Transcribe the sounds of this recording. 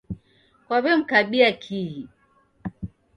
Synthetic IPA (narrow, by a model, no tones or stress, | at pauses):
kwaβɛm̩kaɓiakʰiɦi